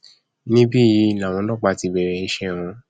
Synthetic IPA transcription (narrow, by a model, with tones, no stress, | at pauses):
nĩ˦bi˦˨ji˧˦˨la˨w̃ɔ̃˧lɔ̃˦˨k͡pa˧ti˧bɛ˨ɾɛ˧i˦ʃɛ˦˨w̃ɔ̃˧